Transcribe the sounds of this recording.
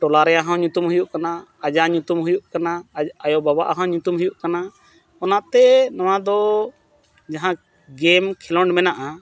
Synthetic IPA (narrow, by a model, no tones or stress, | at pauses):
ʈɔlaɾɛjaɦɔ̃ɲut̪umɦujuʔkanaːd͡ʒaɲut̪umɦujuʔkanaajɔbaba̰ʔaɦãɲut̪umɦujuʔkana | ɔnaʔt̪ɛnaw̃ãd̪ɔ | d͡ʒaɦã | ɡɛmkʰɛlɔɳɖmɛnaʔa